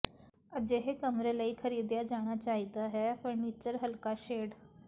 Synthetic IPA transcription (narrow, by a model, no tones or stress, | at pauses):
əd͡ʑeɦekəmɾelaiːkʰəɾiːd̪jad͡ʒaɽ̃at͡ɕaɦid̪aɦɛfəɾniːt͡ʃəɾɦəlkaʃeɽ